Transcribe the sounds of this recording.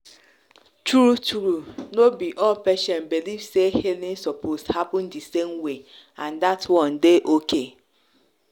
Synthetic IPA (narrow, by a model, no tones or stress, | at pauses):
tɾutʰuɾunobiʔɔlpeʃɔ̃nbilivsehelĩnsɔposthapʊ̃ndisemwe | ãndatwɔ̃ndeʔoke